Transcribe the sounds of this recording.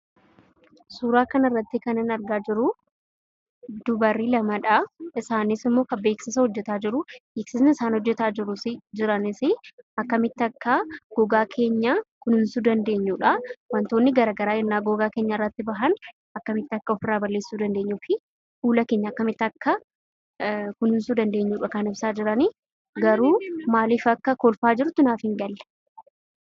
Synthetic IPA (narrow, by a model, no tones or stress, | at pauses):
suːɾaːkɐnɐrːɐt̪ːɪkɐnɪnɐɾɡaːd͡ʒɪɾʊ | d̪̥ʊbɐrːiːlɐmɐᶑaɪsaːnɪsɪmːo̞ːkɐbe̞ːksɪsɐhɔd͡ʒːɛt̪aːd͡ʒɪɾʊbeːksɪsnɪɪsaːnhɔd͡ʒːɛt̪aːɪɾʊsɪd͡ʒɪɾɐnɪsɪɐkːɐmɪt̪ːɪɐkːaɡ̥ɔɡaːkʰe̞ːɲːakʊnɪnsuːd̪ɐnd̪e̞ːɲːuːᶑɐwɐnt̪o̞ːnːɪɡɐɾaːɡɐɾaːɡɛnːaːɡɔɡaːke̞ːɲːɐɪrːɐt̪ːɪbɐɦɐn | ɐkːɐmɪt̪ːɐkːɐɔfɪrːaːbɐlːe̞ːsːuːd̪ɐnd̪e̞ːɲːufɪ | huːlɐke̞ːɲːɐɐkːɐmɪt̪ːɪɐkːɐ | kʊnhʊnsuːd̪ɐnd̪e̞ːɲːuːᶑɐkɐnɪbsaːd͡ʒɪɾɐniː | ɡɐɾuːmaːliːfɐkːɐkoːlfaːd͡ʒɪɾʊt̪ːɪnaːfhɪŋɡɐlːɛ̥